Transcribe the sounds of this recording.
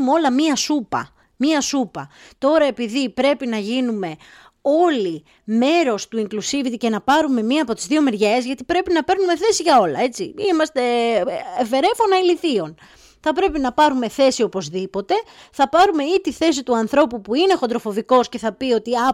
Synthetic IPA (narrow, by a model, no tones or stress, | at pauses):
meo̞lɐmiɐsupɐ̰ | miɐsupɐt̪o̞ɾɐe̞piðipɾe̞pinɐʝinume̞ | o̞li | me̞ɾo̞st̪uiŋklusivit̪ice̞nɐpɐɾume̞miɐːpo̞t̪izðio̞meɾʝezʝɐt̪i̥pɾe̞pinɐpe̞ɾnume̞θe̞siʝɐo̞lɐ̰e̞t͡sḭimɐst̪e̞ː | ve̞ɾe̞fo̞nɐiliθio̞n | θɐpɾe̞pinɐpɐɾume̞θe̞sio̞po̞zðipo̞t̪e̞θɐpɐɾume̞it̪iθe̞sit̪uɐnθɾo̞pupuine̞xod̪ɾo̞fo̞viko̞sce̞θɐpio̞t̪iɐ